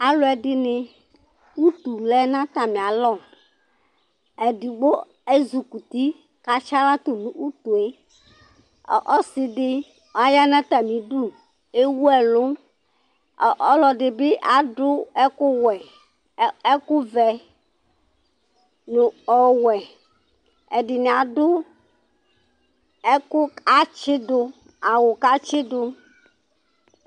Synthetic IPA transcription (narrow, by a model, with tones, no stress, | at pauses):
a˦lʊ˨˦ɛ˨dɪ˦nɪ̃˦ | u˦t̪u˨lɛ˦nã˦t̪a˨mĩ˨a˨lɔ˦˨ | ɛ˨di˨ɡ͡bo˦ | e˦zu˨ku˨t̪i˦ | ka˨t͡ʃa˦la˦t̪o˨nũ˦ʔu˦t̪u˨e˦˨ | ʔɔ˦sɪ˨ɖɪ˦ | wa˨ja˦nã˦t̪a˨mĩ˨ɖu˦ | e˦wu˦ɛ˨lʊ˦˨ | ʔɔ˦lɔ˨ɖe˨be˦ʔa˨ɖʊ˦ɛ˦kʊ˦wɛ˨ | ɛ˦ku˦vɛ˨ | nũ˨ɔ˦wɛ˨ | ɛ˨ɖi˨nẽ˨a˨dʊ˦ | ɛ˦kʊ˦a˦t͡ʃɪ˦do˦ | a˨wo˨ka˦t͡ʃɪ˦ɖo˦